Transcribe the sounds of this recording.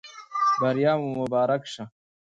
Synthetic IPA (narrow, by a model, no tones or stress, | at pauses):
bɐɾjaːmumubaːɾɐkʂɐ